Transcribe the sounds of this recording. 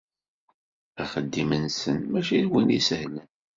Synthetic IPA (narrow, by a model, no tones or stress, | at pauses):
æχəd̪ːimənsənmæʃiðwinḭsəhlæn